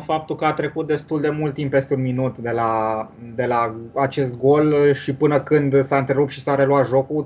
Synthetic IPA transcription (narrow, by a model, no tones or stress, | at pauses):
fap̚t̪ulkəat̪ɾe̞kut̪̚d̪e̞st̪uld̪e̞mult̪ːimpːe̞st̪eunminut̪d̪e̞lad̪e̞laat͡ʃe̞st̪̚ɡo̞lʃipɨnəkɨnd̪saɨnt̪ɾe̞ɾup̪̚ʃisaɾe̞luat̪ʒo̞ku